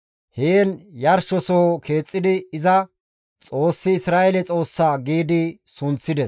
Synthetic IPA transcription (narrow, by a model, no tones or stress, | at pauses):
heːnjɐɾʃɔsoːkʰe̞ːt͡sʼːɪd̪ɪːzɐ | t͡sʼo̞ːsːɪɪsɾaːʔɛlɛt͡sʼo̞ːsːaɡiːd̪ɪsʊnt͡sːɪd̪ɛs